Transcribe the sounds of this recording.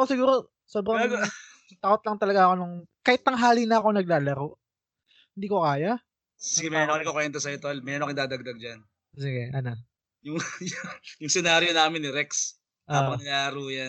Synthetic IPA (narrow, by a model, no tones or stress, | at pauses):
ɐkosɪɡuːɾo̞ | soːbɾɐŋ | t̪ɐkot̪̚lɐŋt̪ɐlɐɡaʔɐko̞nʊŋkaːhɪt̪ːɐŋɦaːlinɐɐko̞nɐɡ̚laːlɐɾoʔ | hɪnd̪iːko̞kaːja | sɪɡɛmɛnoɪkokwɛnt̪ɐsɐjɪt̪ɐlmɛɾnokɪnd̪aːd̪ɐɡ̚d̪ɐɡ̚d͡ʒan | sɪɡɛʔɐno | jʊŋjʊjʊŋsɛnaːɾjonaːmɪnːɪɾɛks | ʔaːpɐŋnɐlaːɐɾujan